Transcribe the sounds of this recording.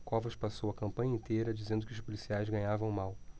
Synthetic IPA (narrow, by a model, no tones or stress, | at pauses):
kɔvɐʃpasowɐkɐ̃mpɐ̃ɲɐẽnt̪ejɾɐd͡ʒizẽnd̪ʊkɪʊʃpolisiajzɡɐ̃ɲavɐ̃w̃maw